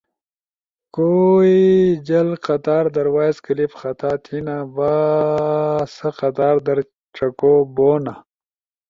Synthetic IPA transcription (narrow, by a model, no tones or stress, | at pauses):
koːid͡ʑɐlqɐt̪aːɾd̪ɐɾwaːjzkəlifxɐt̪aːt̪ʰinaba | sɐqɐt̪aːɾd̪ɐɾ | ʈ͡ʂɐkoboːna